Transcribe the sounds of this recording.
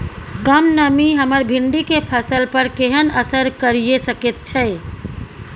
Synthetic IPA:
kəmnəmiɦəməɾbʱiɳɖikepʰəsəlpəɾkeɦənəsəɾkəɾijesəket̪̚t͡ʃʰɛɪ

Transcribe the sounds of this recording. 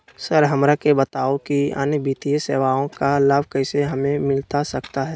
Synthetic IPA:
səɾɦɐmɾakebət̪aːokia̰ːnəbiːt̪ijəseːʋaõkalabʱkɛɪseɦɐmẽmɪlt̪asɐkt̪aɦɛː

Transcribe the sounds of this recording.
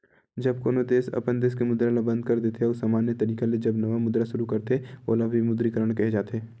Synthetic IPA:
d͡ʒɐb̚koːnod̪eːsɐ̰pənd̪eːskemʊd̪ɾalabɐ̃nd̪̚kɐɾd̪eːt̪ʰeɔːsaːmaːnjət̪ɐɾiːkeled͡ʒɐbnɐʋamʊd̪ɾaʃʊɾukɐɾt̪eo̰ːlabʱimʊd̪ɾikəɾəɽ̃kɛɦed͡ʒaːt̪eː

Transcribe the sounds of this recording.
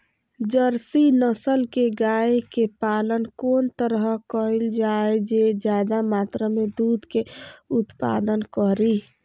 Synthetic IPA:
d͡ʒəɾsinəsəlkeɡaekepalənkoːnt̪əɾɦəkəild͡ʒaed͡ʒed͡ʒjad̪amat̪ɾəmed̪ud̪ʱkeut̪pa̰d̪ənkɔɾi

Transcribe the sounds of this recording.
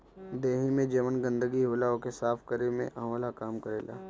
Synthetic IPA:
d̪eːɦimẽd͡ʒɐmənɡə̃nd̪əɡiɦoːlaokesaːfkəɾemḛ̃ʔɐ̃ɦoːlakaːmkəɾḛːla̰ː

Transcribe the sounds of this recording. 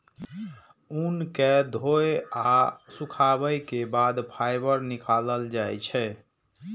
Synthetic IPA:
unked̪ʱoeasũkʰabəjkebad̪pʰajbəɾnikaləld͡ʒajt͡ʃʰɛ

